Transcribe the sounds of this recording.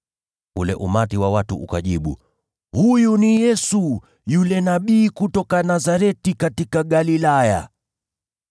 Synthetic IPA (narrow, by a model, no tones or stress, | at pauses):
ulɛ̰ʔumatiwawatuʔukaʄiɓu | hujunijɛsu | julɛnaɓiːkutɔkanazaɾɛtikatikaɠalilaja̰